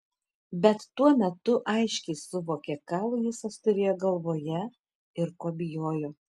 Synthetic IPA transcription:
bʲɛt̪ːuɔmʲɛt̪ʊʔɐɪʃʲkʲɛɪssʊʋoːkʲɛkɑːlˠʊjɪsɐst̪ʊɾʲeːjoːɡɐlˠʋoːjɛ | ɪɾkoːbʲɪjoːjoː

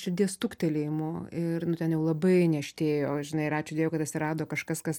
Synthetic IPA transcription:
ʃʲɪd̪ʲiɛst̪ukt̪ʲɛlʲemoːɪrnʊt̪ʲɛnjɛʊlˠɐbɐɪnʲɛɐʃʲt̪ʲeːjoːʒʲɪnɐɪɾɑːt͡ʃʲʊdʲeːjɛʊkɐt̪ɐtʲsʲɪɾɑːd̪oːkɐʃkɐskɐs

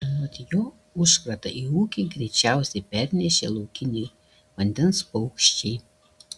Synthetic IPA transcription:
ɐt̪ʲjoː | ʊʃkɾɐt̪ɐ̰ʔiuːkʲeɡɾʲɛɪt͡ʃʲæˑʊsʲɛɪpʲɛɾʲnʲɛʃʲḛːlˠɔʊkʲɪnʲɛ | ʋɐnʲd̪ʲɛnspɔʊkʃʲt͡ʃʲɛɪ

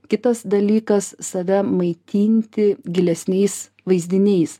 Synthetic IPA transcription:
kʲɪt̪ɐsd̪ɐlʲiːkɐssɐʋʲɛmɐɪt̪ʲiːnʲt̪ʲɪɡʲɪlʲɛsʲnʲɛɪs | ʋɐɪzʲd̪ʲɪnʲɛɪs

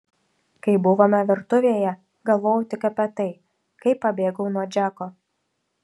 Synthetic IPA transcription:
kɐɪbʊʋoːmʲɛʋʲɪɾt̪ʊʋʲeːjɛ | ɡɐlˠʋoːjʊt̪ʲɪkɐpʲɛt̪ɐɪ | kɐɪpːɐbʲeːɡɐʊnuɔd͡ʒʲæːkoː

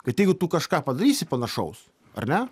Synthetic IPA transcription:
kɐt̪jɛɪɡʊt̪uːkɐʃkɑːpɐd̪ɐɾʲiːsʲɪpɐnɐʃɐʊs | ɐ̰ɾnʲɛ

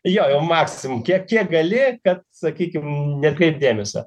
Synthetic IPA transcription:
joːjɛʊmɑːksʲɪmʊmkʲiɛkkʲiɛkɡɐlʲɪkɐt̪sɐkʲiːkʲɪmnʲɛt̪kɾɛɪp̚d̪ʲeːmʲɛsɐ̰ː

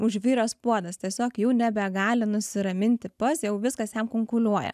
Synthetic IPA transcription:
ʊʒʲʋʲiːɾɐspuɔd̪ɐst̪ʲiɛsʲoːkjuːnʲɛbʲɛɡɑːlʲɪnʊsʲɪɾɐmʲɪnʲt̪ʲɪpɐsjɛʊʋʲɪskɐsjɛmkʊŋkʊlʲuɔjɛ̰

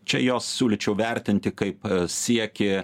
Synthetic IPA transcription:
t͡ʃʲɛjoːssʲuːlʲɪt͡ʃʲɛʊʋʲɛɾʲt̪ʲɪnʲt̪ʲɪkɐɪpsʲiɛkʲɪ

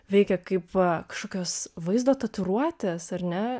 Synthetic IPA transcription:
ʋʲɛɪkʲɛkɐɪpɐkɐʃkoːkʲoːsʋɐɪzd̪oːt̪ɐt̪ʲʊɾuɔt̪ʲeːsɐrnʲɛ

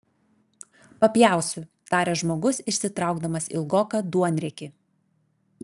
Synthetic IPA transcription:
pɐpʲjæˑʊsʲʊ | t̪ɑːɾʲeːʒmoːɡʊsɪʃʲsʲɪt̪ɾɑˑʊɡd̪ɐmɐsḭlˠɡoːkɐd̪uɔnʲɾʲɛkʲɪ

